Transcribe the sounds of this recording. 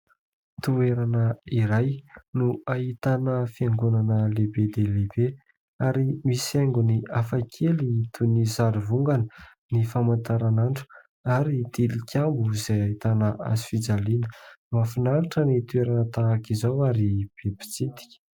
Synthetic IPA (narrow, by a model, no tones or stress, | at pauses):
t̪ueɾanəiɾajnuait̪anəfiaŋɡunanəlebed̪elebe | aɾimiseŋɡuniafakʰelit̪ʰunizaɾivuŋɡanə | nifamant̪aɾanaɳʈ͡ʂu̥ | aɾid̪̥ilikʰʲambuizajait̪anəʔa̰zi̥fid͡zalinəmafinaɾiʈ͡ʂənit̪ueɾanət̪aːkizawaɾib̥ebi̥t͡sit̪i̥kʲi̥